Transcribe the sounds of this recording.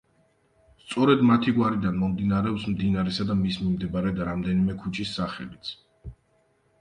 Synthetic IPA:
st̪sʼɔɾɛd̪mat̪ʰiɡwaɾid̪anmɔmd̪inaɾɛɔpsmd̪inaɾɛsad̪amismimd̪ɛbaɾɛd̪aɾamd̪ɛnimɛkʰut͡ʃʰʼisːaχɛ̰lit̪sʰ

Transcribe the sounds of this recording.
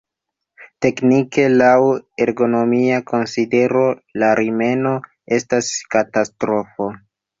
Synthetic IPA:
te̞knike̞laweɾɡo̞no̞miakʰo̞nside̞ɾo̞laɾime̞no̞ | e̞staskatastɾo̞fo̞

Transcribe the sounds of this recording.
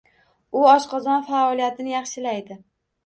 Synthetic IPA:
ʊɒʃqʰɒzɒnfaɒlijat̪ʰɪnɪjɑχʃɪlajd̪ɪ

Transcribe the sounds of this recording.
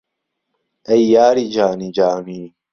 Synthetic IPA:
ʔɐjːaːɾiːd͡ʒaːniːd͡ʒaːmiː

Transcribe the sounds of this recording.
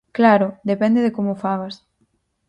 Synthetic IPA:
klaɾʊd̪epɛnd̪eðekomʊfaβas

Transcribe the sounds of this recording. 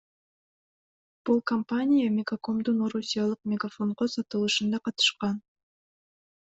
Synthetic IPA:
b̥ulˠkɐmpanʲijamʲɪɡako̞md̪unoɾusʲijalˠɯqmʲɪɡafo̞ɴʁosɑt̪ɯlˠɯʃɯnd̪ɑqɑt̪ɯ̥ʃqɑn

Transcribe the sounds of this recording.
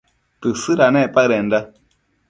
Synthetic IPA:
t̪ɨsɨɾanẽpaɾenda

